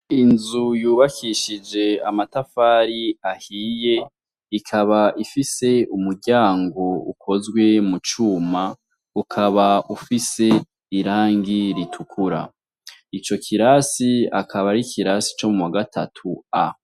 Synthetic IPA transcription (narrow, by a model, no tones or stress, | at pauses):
inzujuːβakʰiʃid͡ʒe̞amatafaːɾiahiːje̞ | ikʰaβaʔifise̞umuɾɟaːŋɡo̞ukʰo̞zɡwe̞mut͡ʃuːma | ukʰaβaufise̞ | iɾaːŋɡiɾitʰukʰuɾa̰ | it͡ʃo̞kʰiɾasia̰kʰaβaɾikʰiɾasi̥t͡ʃo̞mumwaɡatʰatʰua